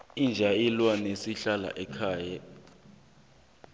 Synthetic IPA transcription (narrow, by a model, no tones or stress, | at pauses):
ind͡ʒʱajilwanesiɬala̰ʔɛkʰaːja